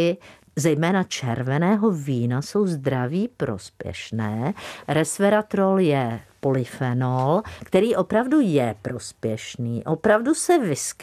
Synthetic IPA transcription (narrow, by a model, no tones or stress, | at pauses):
ɪ | zɛjmɛːnat͡ʃɛɾvɛnɛːɦo̞viːnaso̞wzd̪ɾaviːpɾo̞̰spjɛ̰ʃnɛːɾɛsvɛɾat̪ɾoljɛpolɪfɛnolkt̪ɛɾiːʔo̞pɾavdujɛpɾo̞spjɛʃniːʔopɾavdusɛvɪsk